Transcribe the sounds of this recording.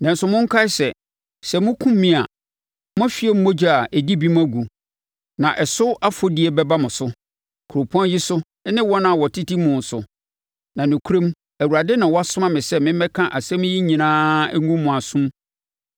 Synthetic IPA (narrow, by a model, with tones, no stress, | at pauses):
nɛ̃˨n̩˨sʊ˨mʊ̃˦ŋ˦kʰa˦ɪ˨˦sɛ˨ | sɛ˨mʊ̃˦kʰũ˦mː˦ĩ˦a˨ | m˦ã˦fi˦ɛ˦m̩˦mo˦d͡ʑa˨ʔɛ˨di˦bi˦m˦ã˦ɡu˨ | nã˨ʔɛ˨sʊ˦a˦fo˦di˦e˨bɛ˦ba˦mʊ̃˨sʊ˦ | kʰu˨ɾo˨pʰɔ̃˦nji˦sʊ˦ | nɪ̃˦wɔ˦nã˨wɔ˨tʰi˦ti˦mʊ̃˨n̩˨sʊ˨ | nã˨nʊ̃˨kʰu˦ɾẽ˦m | æ˨wu˨ɾa˨dɛ˦nã˨wɔ˦a˦sʊ̃˦mã˦mɪ̃˨sɛ˦mɪ̃˦ɛ˦kʰã˦ʔa˨sɛ̃˦m̃˦ji˦ɲĩ˨nãː˦ŋɡũ˦mː˦ʊ̃˨a˨sũ˦m